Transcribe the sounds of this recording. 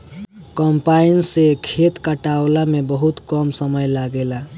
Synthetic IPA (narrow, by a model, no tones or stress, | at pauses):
kəmpainsekʰet̪kəʈawlamebəɦut̪kəmsəməjlaɡela